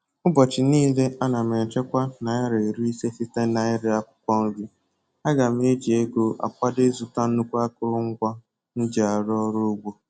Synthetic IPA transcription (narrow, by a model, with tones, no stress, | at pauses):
ʊ˦bɔ˨t͡ʃɪ˨niː˦le˦a˦na˨m˨e˨n̩˨t͡ʃe˦kʷa˦na˨ja˦ɾe˨ɾi˦i˦se˦si˦ta˦na˨ɪ˦ɾɪ˦a˦kʷʊ̥˦kʷɔ˦ŋ̩˦ɡi˦ | a˦ɡa˨m̩˦e˦d͡ʒi˨e˦ɡo˦ʔa̰˨kʷa˦de˦zu˨ta˦n̩˦nu˦kʷu˦a˦kʊ˦ɾʊ˦ŋ̩˦kʷa˦ | n̩˦d͡ʒa˨a˨ɾɔ˦ɾo˦ɡ͡bʷo˦